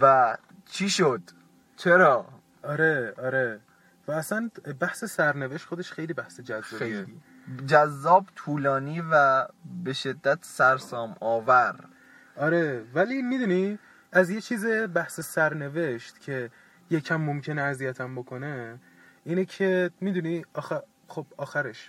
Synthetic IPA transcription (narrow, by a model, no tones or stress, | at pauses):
væ | t͡ʃʰiːʃod̪̥ | t͡ʃʰe̞ɾɒː | ʔɒɾe̞ɒːɾe̞ | væːsænbæhsesæɾneve̞ʃt̪xod̪e̞ʃxe̞jliːbæhse̞d͡ʒæzːɒie | d͡ʒæzːɒːbt̪ʰuːlɒːniːvæbe̞ʃe̞d̪ːæt̪ʰsæɾsɒːmɒːvæɾ | ʔɒːɾe̞væliːmid̪uni | æzje̞t͡ʃʰiːzebæhsesæɾne̞ve̞ʃt̪cʰe̞ | jecʰæmːomcʰe̞neæzijæt̪ʰæmbokʰo̞ne̞ | iːnecʰemiːd̪uniɒːxe | xob̥ɒːxæɾeʃ